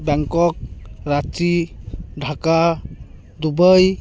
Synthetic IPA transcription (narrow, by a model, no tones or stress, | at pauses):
bɛŋkɔk̚ɾat͡ʃidʱaka | d̪ubəj